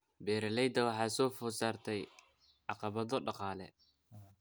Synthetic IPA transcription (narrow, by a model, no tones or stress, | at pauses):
bɛːɾɛlɛjd̪ɐwɑħɑːsɔːfʊːsaːrt̪ʰɛj | ʔɑqɑβɐðɔɖɑqɑːlɛ̰